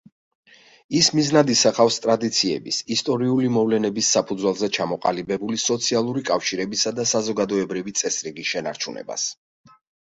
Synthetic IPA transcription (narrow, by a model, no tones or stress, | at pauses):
ismiznad̪isaχafst̪ʼɾad̪it̪sʰiɛ̰bisist̪ʼɔɾiulimɔvlɛnɛbisːapʰud̪zwɛlˠzɛt͡ʃʰamɔqʼa̰libɛbulisɔt̪sʰialˠuɾikʼafʃiɾɛbisad̪asazɔɡad̪ɔɛbɾivit̪sʼɛsɾiɡisʃɛna̰ɾt͡ʃʰunɛ̰ba̰s